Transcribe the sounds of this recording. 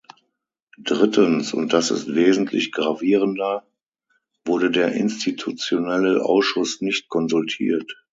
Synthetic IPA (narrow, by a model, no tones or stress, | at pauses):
d̥ʁɪtʰənsʊ̰nt̚d̥asɪ̰stv̥eːzn̩tʰlɪ̰çɡ̥ʁaviːʁ̞əndɐ | v̥ʊɐɾədeːɐʔɪ̰nstitʰut͡sjonɛləʔa̰ʊsʃʊsnɪçt̚kʰɔnzʊltʰḭːɐt